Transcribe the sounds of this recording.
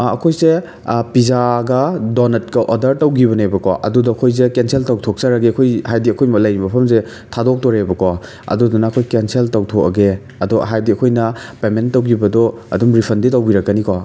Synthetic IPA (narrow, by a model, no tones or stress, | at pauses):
ɐkʰojze | pizaɡɐdɔnɐt̚kɐʔɔdɐɾtɐwɡiβɐnebɐkɔ̰ʔɐ̰dudɐːkʰojzekenseltɐwtʰok̚sɐɾɐɡeɐkʰojhajdiɐkʰojmɐlɐjɾibɐpʰɐmze | tʰadok̚tɔɾebɐkɔ | ɐ̰dudunɐːkʰojkenseltɐwtʰokɐ̰ɡe | ɐdɔɦajdiɐkʰojnɐpementːɐwɡibɐdɔɐ̰dumɾipʰɐnditɐwbiɾɐkːɐniko